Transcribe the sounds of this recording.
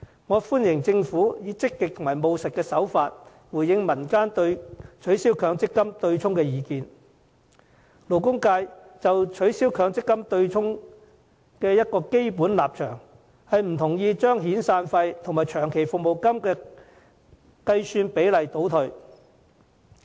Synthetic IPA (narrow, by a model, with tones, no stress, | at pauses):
ŋɔː˨˧fuː˥njɪ˨˩ŋt͡sɪ˧ŋfuː˨˥jiː˨˧t͡sɪ˥kːɪ˨k̚t̪ʰʊ˨˩ŋmaː˨˩jmo˨wsɪ˨t̚kːɛː˧sɐ˨˥wfaː˧t̚ | wuː˨˩jjɪ˨˧ŋmɐ˨˩nkaː˥nt̪ɵ˧ɥt͡ʃʰɵ˨˥ɥsiː˥wkʰœː˨˧˥ŋt͡sɪ˥kːɐ˥mt̪ɵ˧ɥt͡sʰʊ˥ŋkɛː˧jiː˧kiː˧n | lo˨˩wkʊ˥ŋkaː˧j | t͡sɐ˨wt͡ʃʰɵ˨˥ɥsiː˥wkʰœː˨˥ŋt͡sɪ˥kːɐ˥mt̪ɵ˧ɥt͡sʰʊ˥ŋ | kɛː˧jɐ˥t̚kɔː˧ke˥jp̬uː˨˥nlaː˨p̚t͡ʃʰœː˨˩ŋ | hɐ˨jm̩˨˩t̪ʰʊ˨˩ŋjiː˧t͡ʃœː˥ŋɦiː˨˥nsaː˧nfɐ˧jt̪ʰŋmaː˨˩jt͡ʃʰœː˨˩ŋkʰe˨˩jfʊ˨k̚mo˨˩wkɐ˥mkɛː˧ | kɐ˧jsyː˧npe˨˥jlɐ˨jt̪o˨˥wt̪ʰɵ˨˧ɥ